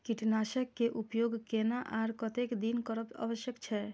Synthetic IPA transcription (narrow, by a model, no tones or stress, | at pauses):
kiʈnaʃəkːeʔupjoɡkenaʔaɾkɔt̪ekd̪inkɔɾəpa̰bəʃjəkt͡ʃʰɛ